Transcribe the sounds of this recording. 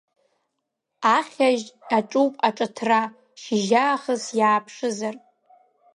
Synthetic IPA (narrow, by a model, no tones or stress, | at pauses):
aχʲaʒaʈ͡ʂʼupʼaʈ͡ʂʼatʰra | ʃiʒaːχəzjaːpʰʂɨzar